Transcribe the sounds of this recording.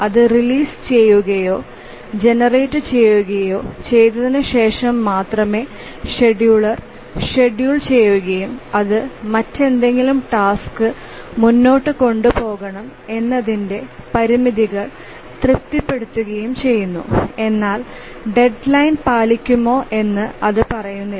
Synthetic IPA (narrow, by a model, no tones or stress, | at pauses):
ɐðɨriliːst͡ɕe̞jːuɣɐjo̞ː | d͡ʑe̞nɐreːtːɨt͡ɕe̞jːuɣɐjo̞ːt͡ɕe̞jt̪ːɐðinɨɕe̞ːʂɐmːaːt̪rɐme̞ː | ʂe̞ɖjuɭɐr | ʂe̞ɖjuːɭt͡ɕe̞jːuɣɐjumɐðɨmɐtːe̞nd̪e̞ŋɡilumʈaːskɨ | munːo̞ːʈːɨko̞ɳɖupo̞ːɣɐɳɐm | e̞nːɐðinde̞pɐɾimiðiɣɐɭ | t̪rɨp̚t̪ipːe̞ɽut̪ːuɣɐjumt͡ɕe̞jːunːṵe̞nːaːl | ɖe̞ɖlɐjnpaːlikʲːumo̞ːʔe̞nːɨɐðɨpɐrɐjunːi